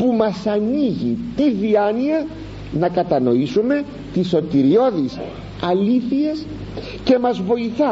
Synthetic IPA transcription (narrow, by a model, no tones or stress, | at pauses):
pumɐsɐniʝḭt̪iðiɐniɐ | nɐkɐt̪ɐno̞isume̞ | t̪iso̞t̪iɾio̞ðis | ɐliθies | ce̞mɐzvo̞iθɐ